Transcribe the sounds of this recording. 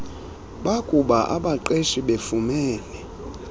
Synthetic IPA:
ɓakʼuɓaʔa̰ɓaǃeʃiɓefumɛːlɛ

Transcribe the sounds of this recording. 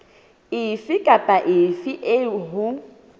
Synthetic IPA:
ɪfɪkʼapʼaʔɪfɪʔeɦʊ

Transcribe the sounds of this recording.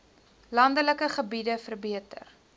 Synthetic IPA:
lɐndələkəχəbidəfərbiətə̰r

